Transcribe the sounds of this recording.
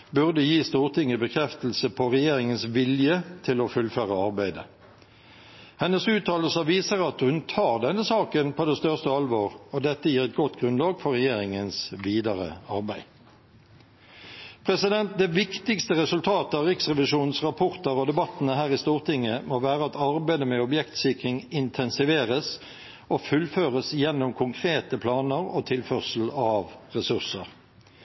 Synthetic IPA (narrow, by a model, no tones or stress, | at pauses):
bʉʁd̪əjiːst̪uːʁt̪ʰɪŋəbəkʰɾɛft̪əl̩səpʰɔʁɛjeːʁɪŋənsʋɪljət̪ʰɪlɔfʉlføːʁəɑʁbæɪd̪ə̰ | hɛnːəsʉːt̪ʰːɑːləlsəʋiːsəɾɑt̪hʉnt̪ʰɑːʁd̪ɛnːəsɑːkənpʰoːd̪ɛst̪œʁst̪əɑlʋoːʁɔd̪ɛt̪ːəjiːʁɛt̪̚ɡɔt̪ːɡʁʉnlɑːɡfɔʁɛjeːʁɪŋənsʋiːd̪ɑʁə̰ɑʁbæɪ | pʰʁɛsɪd̪ɛnt̪̚d̪ɛːʋɪkt̪ɪkst̪əʁɛsʉlt̪ʰɑːt̪əɑʁɪksʁɛʋɪʂuːn̩sʁɑpʰɔʁt̪əɾɔd̪ɛbɑt̪ːnəɦæːʁɪst̪uːʁt̪ʰɪŋːəmoːʋæːʁəɑt̪ɑʁbæɪd̪əmɛɔbjɛkt̪sɪkʁɪŋɪnt̪ʰɛnsɪʋeːʁəs | ofʉlføːʁəsjɛnːʊmkʰʊŋkʰʁeːt̪əpʰlɑːnəʁo̰ːt̪ʰɪlfœʁsl̩ɑʋʁɛsʉʁsəʁ